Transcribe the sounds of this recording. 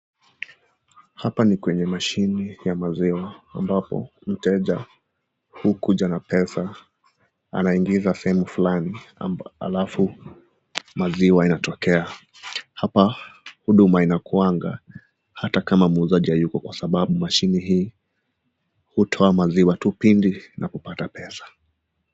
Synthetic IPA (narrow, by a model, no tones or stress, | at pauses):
hapanikwɛɲɛmaʃinijamaziwaambapɔ̰m̩tɛʄa | hukuʄanapɛsa | a̰naiŋɡizasɛhɛmufulania̰lafu | maziwainatɔkɛa | hapahuɗumainakuaŋɡa̰ | hatakamamuːzaʄihajukɔkwasaɓaɓumaʃiniɦiː | hutʰɔamaziwatupindinakupatapɛsḁ